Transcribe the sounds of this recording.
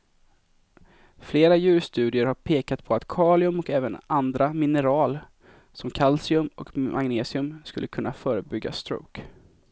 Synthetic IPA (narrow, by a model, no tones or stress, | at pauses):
fleːɾajʉ̟ːɾst̪ʉ̟ːd̪ɪəɾhaɾpʰeːkat̪pʰɔat̪kʰɑːlɪɵmɔkɛːvənand̪ɾamɪnɛɾɑːl | sɔmkʰalsɪɵmɔkʔaŋneːsɪɵmskɵlːəkʰɵnːafœːɾəbʏɡːa̰st̪ɾo̰wk